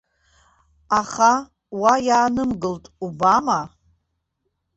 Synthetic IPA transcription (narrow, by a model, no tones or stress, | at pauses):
aχa | wajaːnɨmɡɨltʼubama